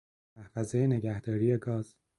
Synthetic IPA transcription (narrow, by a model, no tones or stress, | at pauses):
æfæzejene̞ɟæhd̪̥ɒːɾiːjeɡɒːz̥